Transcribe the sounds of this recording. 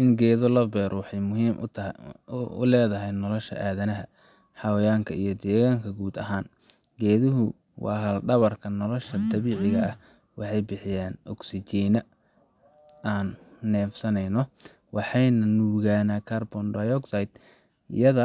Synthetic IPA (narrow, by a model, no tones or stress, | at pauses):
ʔɪŋɡɛːðɔlɐbɛːɾʔɔwɑħɑjmʊɦiːmʔ | ʊ̰lɛːðɐɦɛjnɔlɔʃɐ̰ʔaːðɐnɐɦɐ | ħɑwɐjaːŋkʰɐijɞd̪ɛːɣaːŋkʰɐɡuːd̪ɐɦaːn | ɡɛːðʊɦʊ | wɑ̰ːɦɐlɖɐβɐrkʰɐnɔlɔʃɐd̪ɐβiːʕɪɣɐɐh | wɑħɑjbɪħɪjaːnʔɔɡsɪt͡ʃiːnɐ | aːnːɛːfsɐnɛjnɔ | wɑħɑjnɐnuːɣaːnakʰaːrbɔndɐjɔɡsajt̪ | ɪ̰jɐðɐ